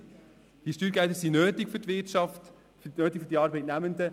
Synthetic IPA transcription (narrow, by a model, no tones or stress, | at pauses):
d̥iʃtyːɾɡɛt̪əɾsinøːtɪkfytʋɪtʃɑft | nøːtɪkfydiɑːɾbɛɪtnæmənd̪ə